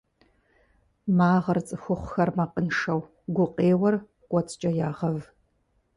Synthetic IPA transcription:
maːʁɐrt͡sʼɨxʷʊχʷʊxɐrmɐqənʂɐw | ɡʷʊqeːwɐr | kʷʼɔt͡sʰʼt͡ʃʼɐjaːʁɐv

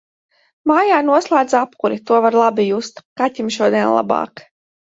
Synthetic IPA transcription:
maːjaːnuɔslˠaːd̪zapkuɾit̪uɔvaɾlˠabijust̪kat̪ʲimʃuɔd̪ʲiɛnlˠa̰bɑ̰ːk

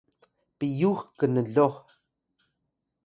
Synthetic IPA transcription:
pijuxkənəɮo

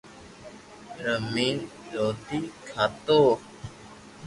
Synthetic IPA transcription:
ɾəmiːnɾoːt̪iːkʰaːt̪oː

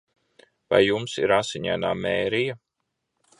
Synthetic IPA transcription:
va̰jːumsḭɾasiɲa̰ːnaːmeːɾija

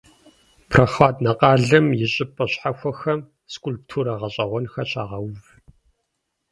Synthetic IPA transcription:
pʰrɐχaːdnɐqʼɑːɮɨmjɪɕʼɪpʼɐɕħaxʷɔxɐm | skʷʼulptʰuːɾɐʁɐɕʼɐʁʷɔnxɐɕa̰ːʁɐwv

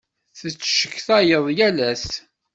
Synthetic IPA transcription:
θət͡sːʃə̥kːθæjəðˤjælæs

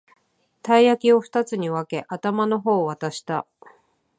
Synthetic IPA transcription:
t̪aiakʲio̞ɸɯ̥t̪at͡sɨɲ̟iβake̞ʔat̪amano̞ɦo̞ːβat̪aɕi̥t̪a

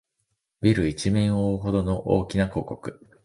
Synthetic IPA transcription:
bʲiɾɯ̟it͡ɕimẽɰ̃oːɦo̞d̪o̞no̞ʔo̰ːkʲinako̞ːko̞kɯ̟

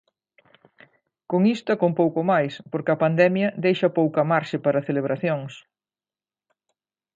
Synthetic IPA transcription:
koŋist̪ɐkompowkomajspoɾkɪɐpand̪ɛmjɐd̪ejʃɐpowkɐmaɾʃɪpaɾɐθeleβɾaθjoŋs

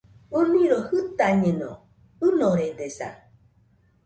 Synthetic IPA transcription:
unĩɾohɨt̪aɲẽnõ̰ | ɨnõɾed̪esa̰

